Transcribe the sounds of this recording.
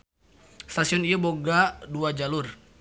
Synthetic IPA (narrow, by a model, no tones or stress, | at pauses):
st̪asiɔnijaboɡaduad͡ʒalur